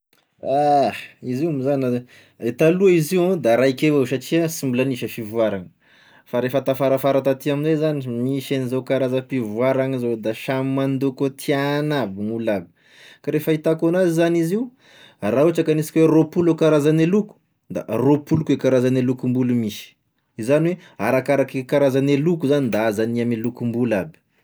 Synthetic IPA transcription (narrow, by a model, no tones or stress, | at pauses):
aizimizana | et̪aluaiziwãd̪aɾaikʲewewsaʈ͡ʂiəsimbulaniʃəfivuaɾaŋə̥ | faɾefət̪afaɾafaɾat̪at̪iaminzezanimiʃenizokaɾazəfivuaɾaŋizod̪aʃamimand̪okot̪ʰianabiŋulabi̥ | kaɾefəit̪akonazizaniziu | raɦuʈ͡ʂakanisi̥kʲweropulokaɾazaneluku̥ | d̪a̰ropulukwekaɾazanelukumbulumiʃi̥ | izaniwea̰ɾakaɾakekaɾazanelukuzanind̪aazaniamelukumbulabi̥